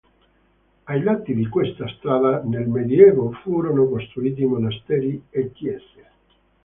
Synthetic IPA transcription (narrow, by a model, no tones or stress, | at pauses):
ajlat̪ːid̪ikwest̪ast̪ɾaːlanelmed̪jɛːvofuːɾonokost̪ɾuiːt̪̬imonast̪ɛːɾiekːjɛːse